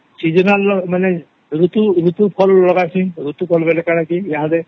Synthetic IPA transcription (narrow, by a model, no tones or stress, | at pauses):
sizɔnalɔmanɛ | ɹut̪uɹut̪upʰɔlːɔɡajsĩɹut̪upʰɔlbɛlɛkaɹakijaɦadɛ